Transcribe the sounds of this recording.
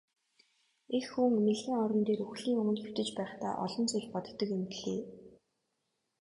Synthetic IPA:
exxuŋmeɮĭːŋɔɾɞ̆nt̪eːɾɵxɮiːŋɵmɵ̆nxew̥t̪ɘ̆t͡ɕpæːχt̪a̰ːʔɔ̰ɮɞ̆nt͡sʊɮpɔt̪̆t̪ːɞ̆kempiɮeː

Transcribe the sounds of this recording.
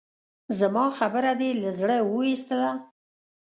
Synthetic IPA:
zamɑxabəɾad̪elazɽəwəist̪əla

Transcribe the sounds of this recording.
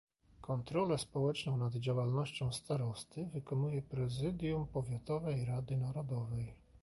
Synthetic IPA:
kʰɔnt̪ɾɔlɛspɔwɛt͡ʂnɔ̃w̃nad̪d͡ʑawalnɔɕt͡ɕɔ̃w̃st̪aɾɔst̪ɘvɘkɔnujɛpɾɛzɘd̪jumpɔvʲjat̪ɔvɛjɾad̪ɘnaɾɔd̪ɔvɛj

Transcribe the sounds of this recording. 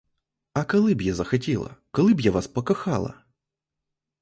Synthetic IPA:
ɐkɐlˠɨbjazɐxɐtʲɛlˠɐ̰kɐlˠɨbjavaspɐkɔxalˠɐ̰

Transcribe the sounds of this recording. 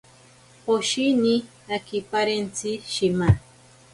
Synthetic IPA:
oʃini | akipaɾent͡siʃima

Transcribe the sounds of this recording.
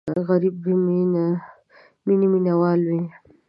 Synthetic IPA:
ɣaɾibwimin | miniminawɑːlwi

